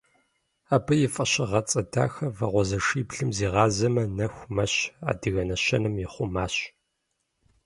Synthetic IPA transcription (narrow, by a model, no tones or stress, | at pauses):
aːbɨjɪfʼɐɕɪʁɐt͡sʼɐda̰ːxɐvɐʁʷɔzɐʂiːbɮɨmziːʁɑːzɐmɐnɐxʷmɐɕa̰ːdɨɣɐnɐɕɐnɨmjɪχʷʊmaːɕ